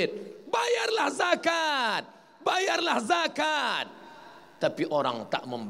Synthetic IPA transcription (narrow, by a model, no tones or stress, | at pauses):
t̪̚bajarlahzakat̪̚ | bajarlahzakat̪̚ː | apiʔoɾaŋt̪a̰ʔmə̃mb